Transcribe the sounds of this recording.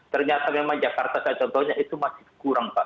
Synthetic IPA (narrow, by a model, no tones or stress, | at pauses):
t̪ərɲat̪amemaŋd͡ʒakart̪asat͡ʃɔnt̪ɔhɲaʔit̪umasi̥kuɾaŋpaʔ